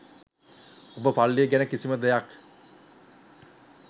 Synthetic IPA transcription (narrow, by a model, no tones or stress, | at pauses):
obəpalːijəɡænəkisiməd̪ejak